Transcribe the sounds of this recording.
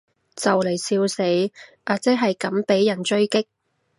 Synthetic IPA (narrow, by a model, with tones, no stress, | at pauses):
t͡sɐ˨wle˨˩jsiː˧wse˨˥jʔaː˨˧t͡sɛː˥ɦɐ˨jkɐ˨˥mpe˨˥jːɐ˨˩nt͡ʃɵ˥ɥkɪ˥k̚